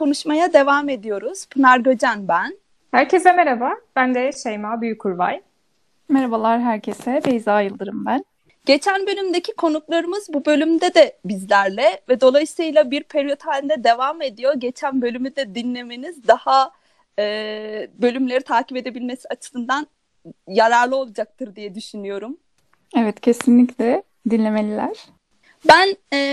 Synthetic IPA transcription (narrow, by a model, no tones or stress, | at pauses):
kʰo̞nuʃmajad̪e̞vaːme̞d̪ijo̞ɾuz̥pʰɯnaɾɡod͡ʒanbæn | hæɾcʰesɛmeɾabab̥ænd̪ɛʃejmaːbyjyckʰːuɾva̰j | meɾabalˠaɾɦæɾcʰesɛbejzaːjɯlˠd̪ɯɾɯmbæn | ɟ̥e̞t͡ʃʰænbø̞lʲymd̪ecʰikʰo̞nuklˠaɾɯmɯzbubølʲymd̪ɛd̪ɛbizlʲæɾlʲɛvɛd̪o̞lˠajɯsɯjlˠabiɾpʰeɾijo̞t̪ʰhalʲd̪ɛd̪e̞vame̞d̪ijo̞ɟe̞t͡ʃʰænbølʲymyd̪ɛd̪inlʲe̞me̞nizd̪aha | ɛːbø̞lʲymlʲe̞ɾit̪ʰaːcipe̞d̪e̞bilʲme̞siat͡ʃʰɯ̥sɯnd̪an | jaɾaɾlˠɯo̞lˠad͡ʒak̚t̪ʰɯɾd̪ijɛd̪yʃynyjo̞ɾum | ɛvɛt̪cʰe̞sinlʲiclʲɛ | d̪inlʲe̞melʲilʲæɾ̥ | bænɛː